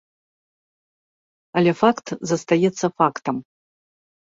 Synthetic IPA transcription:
alʲefakt̪zɐst̪ajɛt̪sːɐfakt̪ɐm

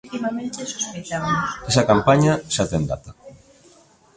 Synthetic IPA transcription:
t̪imamẽnt̪esospit̪amsesakampaɲaʃat̪end̪a̰t̪a

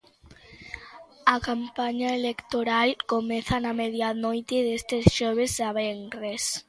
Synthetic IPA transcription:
akampaɲaelekt̪oɾalkomeθanameðjanojt̪eðest̪esʃoβ̞ezðaβeŋres

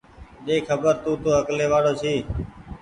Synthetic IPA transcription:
ɗeːkʰəbəɾt̪ũːt̪oːəkleːʋaːɽoːt͡ʃʰiː

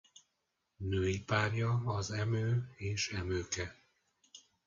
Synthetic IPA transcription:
nøːjipaːrjɒːzɛmøːeːʃɛmøːkɛ

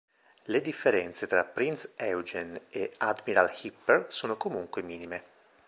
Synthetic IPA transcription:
led̪ifːeɾɛnt̪set̪ɾapːɾinsɛwd͡ʒenead̪miɾalhipːersoːnokomuŋkwemiːnime

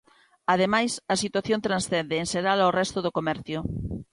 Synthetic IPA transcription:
að̞emajsɐsit̪waθjõnt̪ɾãnsθɛnd̪eːnseɾalaorɛst̪oðokomɛɾθjo

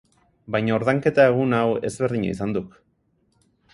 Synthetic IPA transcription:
bajɲaoɾðaŋke̞t̪aeɣ̞unawe̞zβe̞ɾðiɲa̰isand̪uk

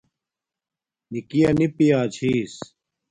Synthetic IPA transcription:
nikijɐnipijaːt͡ɕʰiːs

